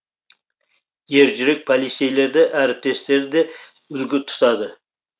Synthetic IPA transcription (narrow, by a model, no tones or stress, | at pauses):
jeɾd͡ʒɪɾɪk̚pʰolʲisʲejleɾd̪ɛʔæɾɪp̚t̪ʰest̪eɾɪd̪e | ʏlɡʲyt̪ʰʊ̥t̪ʰɑd̪ɨ